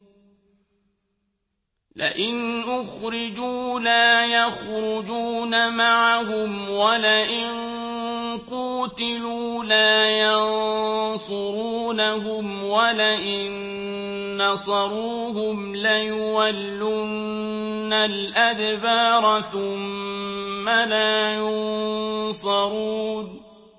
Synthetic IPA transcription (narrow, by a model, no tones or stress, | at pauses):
lɪ̰ʔɪnʔʊxɾɪd͡ʒuːlaːjaxɾʊd͡ʒuːnamaʕaɦʊmwalaʔɪn | quːt̪ɪluː | laːjɑnsˤʊɾuːnaɦʊm | walaʔɪnː | ɑsˤɑɾˤuːɦʊmlajʊwalːu | n | nːalʔad̪baːɾˤɑθʊmː | alaːjʊnsˤɑɾuːn